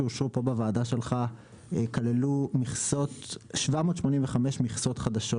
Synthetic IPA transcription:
eoʃʁupo̞bavaːd̪aʃe̞lχa | ekalelumiχso̞t̪ʃvamot̪ʃmo̞ninveχameʃmiχso̞t̪χad̪aʃo

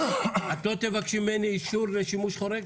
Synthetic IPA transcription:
at̪lo̞t̪evakʃimːeniːʃuɾleʃimuʃχo̞ɾeɡ

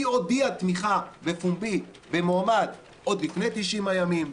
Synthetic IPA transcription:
iodiat̪miχabefumbi | bemoamad | ʔo̞d̪lifnejt̪iʃimajamim

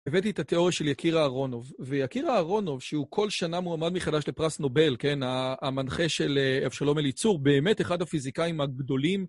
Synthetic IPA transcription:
evet̪̬it̪at̪eo̞ʁjaʃe̞ljakʰiʁaːʁo̞no̞vvejakiʁaːʁo̞no̞vʃeukʰo̞lʃanamuamad̪meχad̪aʃle̞pʁasno̞be̞lke̞naːmanχe̞ʃeleafʃalo̞melit͡suʁbe̞ːme̞teχad̪hafizikaimaɡd̪o̞lim

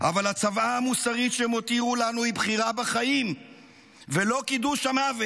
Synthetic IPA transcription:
ʔa̰valhat͡savaːmusaʁit̪ʃemo̞t̪iʁulanuibχiʁabaχajim | velo̞kid̪uʃamave

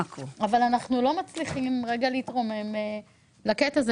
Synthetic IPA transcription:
koavalanaχnulo̞mat͡sliχimʁeɡaliitʁo̞me̞me | laketaz

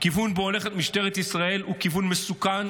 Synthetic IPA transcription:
kivunbeole̞χet̪miʃt̪e̞ʁet̪isʁae̞lukivunmesukan

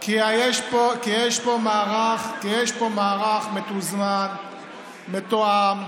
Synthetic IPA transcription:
kiajeʃpokijeʃpomaːʁaχkijeʃpomaːʁaχmet̪uzman | met̪oam

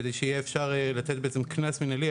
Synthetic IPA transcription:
d̪ejʃeijɛːfʃaʁelat̪e̞t̪̚beet͡semknasminali

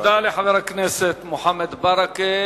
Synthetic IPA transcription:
d̪aːliħalɾˤakneːset̪mʊħamːad̪bɑɾˤɑki

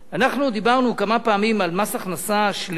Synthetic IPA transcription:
anaχnud̪ibaʁnukamapaːmimalmasaχnasaʃl

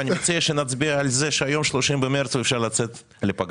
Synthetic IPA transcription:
anʲimat͡siaʃenat͡sbiaalzeʃeajo̞mʃloʃimbemeɾt͡svefʃaʁlat͡set̪ | lepaɡ

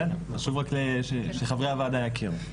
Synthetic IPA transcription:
enaʃuvʁakleʃeʃeχavʁeavad̪ajakʰiʁ

